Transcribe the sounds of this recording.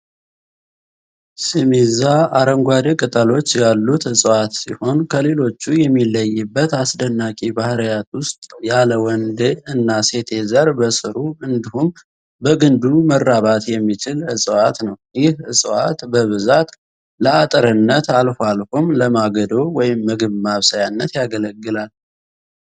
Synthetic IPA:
sɨmizaʔaɾəŋɡʷad̪ekʼɨt̪ʼəlo̞t͡ʃːjalːut̪ɨsʼwat̪siho̞nkʰəle̞lo̞t͡ʃːujɛmːilːəjːɨbːət̪asd̪ənːakʼibahɾjat̪wʊst̪ʼjaləwɔnd̪eɨnːase̞t̪ʰe̞zəɾbəsʼɨɾuɨnd̪ihum | bəɡɨnd̪umərːaβat̪jɛmːit͡ʃɪlɨsʼəwat̪nəwjɪhɨsʼwat̪bəβɨzat̪ | ləat̪ʼəɾɨnːət̪alfoalfomləmaɡəd̪owwɔjɪmːɨɡɨβmaβsajanːət̪jaɡələɡːɨlal

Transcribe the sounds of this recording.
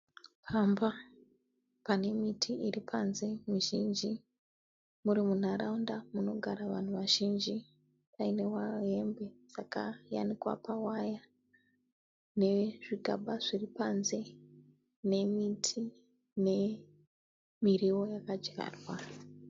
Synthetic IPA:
pʰamba | pane̞mitʰiʔiripʰanze̞muʒind͡ʒi | muɾimun̤aɾaundamuno̞ɡʱaɾaʋan̤uʋaʒind͡ʒi | paine̞waɦe̞mbe̞sakaja̰nikwa̰pawaja | ne̞ʐiɡʱa̰ɓaʐiripanze̞ | ne̞mitʰi | ne̞ | miriwo̞jakad͡ʒɡa̰ːrwa

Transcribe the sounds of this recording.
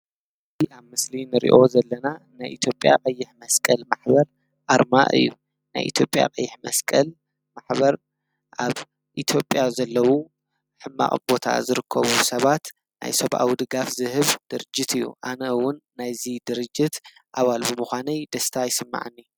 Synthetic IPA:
ɨ | ziaβmɨslinɨɾḭʔo̞zɐlːɐna | najʔit̪ʰjo̞pʼja̰qʼɐjːɪħmɐskʼɐlmaħbɐɾ | ʔaɾmaʔɨ̰jːu | na̰jʔḭt̪ʰjo̞pʼja̰qʼɐjːɪħmɐskʼɐl | maħbɐɾ | ʔaβ | ʔit̪ʰjo̞pʼjazɐlːɐwu | ħɨmːa̰χʼbo̞t̪ʰa̰zɨɾɨkʰːɐ̰βusɐβat̪ | na̰jsɐβʔa̰wd̪ɨɡafzɨhɨβd̪̥ɨɾɨd͡ʒːɪt̪ʰɨjːṵʔanɐɨwʊnːajzid̪ɨɾɨd͡ʒːɪt̪ʔaβalbɨmuxʷanɐjd̪ɐst̪ʰajsɨmːa̰ʕɨnːi

